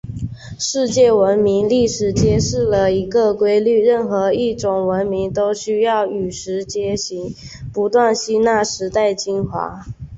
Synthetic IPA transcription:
ʂɻ̩˥˧t͡ɕjɛ˥˩wə˧˥nmi˧˥ŋli˥˩ʂɻ̩˨˩t͡ɕjɛ˥ʂɻ̩˥˩lə˨˩i˧˥ɡə˧˨kwe˥ɪly˥˧ɻə˥˩nxɤ˧˥i˥˩ʈ͡ʂʊ˨˩ŋwə˧˦˥nmi˧˥ŋt̪o˥ʊɕy˥jɑ˥˩ʊy˨˩ʂɻ̩˧˥t͡ɕjɛ˥ɕi˧˥ŋ | pu˧˥t̪wa˥˩nɕi˥na˥˩ʂɻ̩˧˥t̪a˥˩ɪt͡ɕi˥nxwa̰˧˥

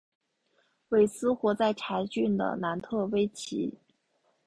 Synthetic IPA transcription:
we˥˩ɪsɹ̩˥xwɔ˧˥t͡sa˥˩ɪʈ͡ʂʰa˧˥ɪt͡ɕy˥˩nd̪ə̰˩na˧˥nt̪ʰɤ˥˩we˥ɪt͡ɕʰḭ˧˥

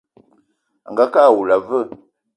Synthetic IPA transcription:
a̰˨ŋɡa˦kaː˦˨wu˨la˨və˦˨

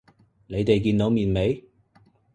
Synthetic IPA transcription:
ne˨˧jt̪e˨jkiː˧nt̪o˨˧wmiː˨nme˨˧j

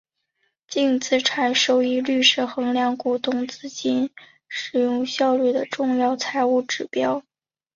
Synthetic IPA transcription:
t͡ɕi˥˧ŋt͡sʰɹ̩˥˩ʈ͡ʂʰa˧˥nʂo˥˩ʊi˥˧ly˥˧ʂɻ̩˥˩xɤ˧˥ŋljɑ˧˥ŋku˨˩t̪ʊ˥˩ŋt͡sɹ̩˥t͡ɕi˥n | ʂɻ̩˨˩jʊ˥˧ŋɕjɑ˥˧ʊly˥˩d̪ə˩ʈ͡ʂʊ˥˧ŋjɑ˥˩ʊt͡sʰa˧˥ɪu˥˩ʈ͡ʂɻ̩˨˩pjɑ˥ʊ

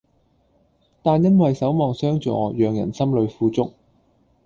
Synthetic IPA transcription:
t̪aː˨njɐ˥nwɐ˨jsɐ˨˥wmɔː˨ŋsœː˥ŋt͡ʃɔ̰ː˧˨˧jœː˨ŋjɐ̰˨˩nsɐ˥mlɵ˨˧ɥfuː˧t͡sʊ̰˥k̚

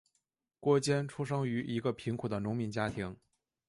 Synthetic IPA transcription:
kwɔ˥˩t͡ɕjɛ˥nʈ͡ʂʰu˥ʂɤ˥ŋy˧˥ʔi˧˥ɡə˧pʰi˧˥ŋkʰu˨˩d̪ə˩nʊ˧˥ŋmi˧˥nt͡ɕja˥t̪ʰi˧˥ŋ

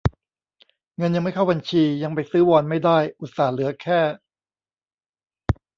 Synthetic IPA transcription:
ŋɤ˧nja˧ŋma˥˩jkʰa˥˩wba˧nt͡ɕʰiː˧ja˧ŋpa˧jsɯː˦˥wɔː˧nma˥˩jdaː˥˩jʔu˨˩t̪̚saː˨˩lɯ˩˦ɐkʰɛː˥˩

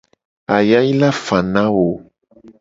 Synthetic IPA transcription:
a˨ja˦ji˦la˦fã˨nã˦wo˨

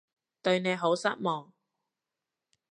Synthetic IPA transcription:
t̪ɵ˧ɥne˨˧jɦo˨˥wsɐ˥t̚mɔː˨ŋ

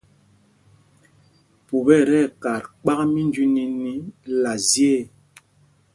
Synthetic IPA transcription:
pu˨bɛ˦˨ɾɛ˦˨ka˨ɾk͡pa˦kmi˦nd͡ʒi˦ni˦ni˦la˨zje˦˨

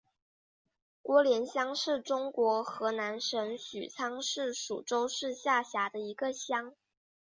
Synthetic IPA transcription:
kwɔ˧˥ljɛ˧˥nɕjɑ˥ŋʂɻ̩˥˩ʈ͡ʂʊ˥ŋkwɔ˧˥xɤ˧˥na˧˥nʂə˧˥nɕy̰˨˩t͡sʰɑ˥ŋʂɻ̩˥˩ʂṵ˨˩ʈ͡ʂo˥ʊʂɻ̩˥˧ɕja˥˩ɕja˧˥d̪ə˧i˧˥ɡə˧ɕjɑ˥ŋ

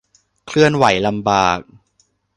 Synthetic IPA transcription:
kʰlɯ˥˩ənwa˩˦jla˧mbaː˨˩k̚

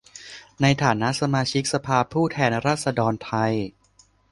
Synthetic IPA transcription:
na˧jt̪ʰaː˩˦na˦˥ʔsa˧maː˧t͡ɕʰi˦˥k̚sa˧pʰaː˧pʰuː˥˩t̪ʰɛː˧nɾaː˥˩t̪̚sa˧dɔː˧nt̪ʰa˧j

